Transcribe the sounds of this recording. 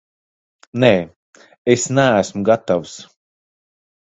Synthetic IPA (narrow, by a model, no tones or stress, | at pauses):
neː | esnæːsmuɡat̪avus